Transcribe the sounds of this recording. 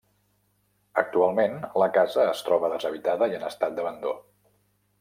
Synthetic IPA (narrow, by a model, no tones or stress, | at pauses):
ə̰k̚t̪ualˠmenləkazəːst̪ɾɔβəðəzəβ̞it̪aðəiənəst̪at̪̚d̪əβənd̪o̰